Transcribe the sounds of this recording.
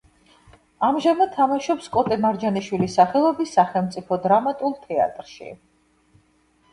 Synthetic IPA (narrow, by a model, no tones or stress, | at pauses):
amʒamad̪̚t̪ʰamaʃɔpskʼɔt̪ʼɛmaɾd͡ʒaniʃwilisaχɛlˠɔbisaχɛlˠmt̪sʼipʰɔd̪ɾamat̪ʼulˠt̪ʰɛa̰t̪ʼɾʃḭ